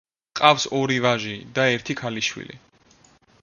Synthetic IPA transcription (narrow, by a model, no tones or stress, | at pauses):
qʼafsɔɾivaʒid̪aɛɾt̪ʰikʰaliʃwḭlḭ